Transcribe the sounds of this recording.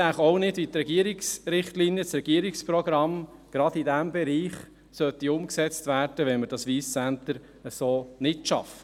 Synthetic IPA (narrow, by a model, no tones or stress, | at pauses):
æχɔʊnɪdit̪ɾɛɡ̥iəɾiksɾɪχtlinjət͡sɾɛɡ̥iəɾikspɾɔɡɾɑm | ɡ̥ɾɑdidæmbɛɾiːχ | sœt̪iʊmksɛt͡stvæːɾd̥əʋɛnməɾd̥ɑsʋiːst͡sænt̪əɾ | əsoːnɪtʃɑ̰fə̥